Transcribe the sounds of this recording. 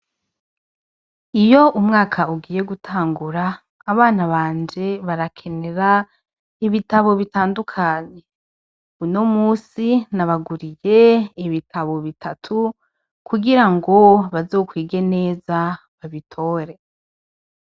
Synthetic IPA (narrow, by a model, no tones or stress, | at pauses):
ijo̞ʔumŋaːkʰauɡiːje̞ɡutʰaːŋɡuɾaː | βaːnaβaːnd͡ʒe̞βaɾakʰe̞ne̞ɾa | iβitaβo̞βitaːndukʰaːɲe̞ | uno̞muːsinaβaɡuɾije̞iβitʰaβo̞βitʰatʰu | kʰuɡiɾaŋɡo̞βazo̞ːkwiːɡe̞ne̞ːza | βaβitʰo̞ːɾe̞